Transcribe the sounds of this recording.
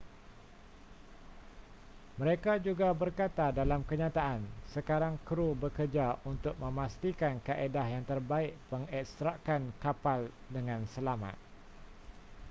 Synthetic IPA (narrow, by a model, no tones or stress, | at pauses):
mə̃ɾekad͡ʒuɡabərkat̪adalamkəɲãt̪aʔansəkaɾaŋkɾubəkərd͡ʒaunt̪ʊk̚mə̃mast̪ikankaʔedahjaŋt̪ərbaɪʔpəŋɛkst̪ɾaʔkankapal | dəŋãnsəlamã̰t̪̚